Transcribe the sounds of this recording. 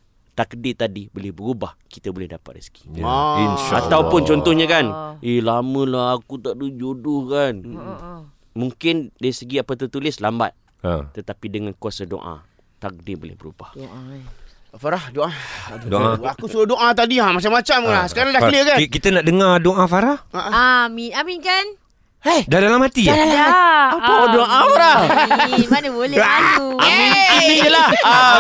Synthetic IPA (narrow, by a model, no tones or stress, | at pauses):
t̪akdit̪adibolɛhbəɾubahkit̪abolɛhdapa̰t̪̚risə̥ɡiinʃat̪awpʊnt͡ʃɔnt̪ɔhɲakanʔehlamə̃lahakut̪aʔdəd͡ʒodʊhkan | muŋkɪndaisəɡiapat̪ət̪ulɪslamba̰t̪̚ | t̪ət̪apidəŋankuasado̰ʔã̰ | t̪ak̚dɪbolɪ̰hbəɾṵbah | faɾahdoʔadoʔaakusudadoʔat̪̬adiamat͡ʃamːat͡ʃamkanasə̥kaɾaŋdahlikankit̪ənaʔdəŋadoʔãfaɾahaaminaminkan | ahdadalamhat̪ia | adoʔãfaɾa | manəbolɛakuamĩnkiliəlaha